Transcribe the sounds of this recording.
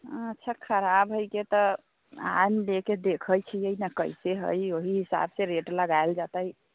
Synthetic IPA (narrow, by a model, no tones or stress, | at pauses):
ətːʃʰakʰəɾabɦəjket̪ɔ | a̰mleked̪ekʰəjt͡ʃʰijəjnəkə̰jseɦə̰joɦiɦisa̰bseɾeʈləɡaeld͡ʒat̪əj